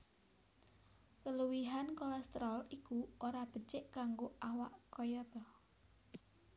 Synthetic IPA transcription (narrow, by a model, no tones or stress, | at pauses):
kəluwiɦankɔlɛst̪ɾɔlikuoɾab̥ə̤t͡ʃɪʔkaŋɡoawaʔkɔjɔb̥ɔ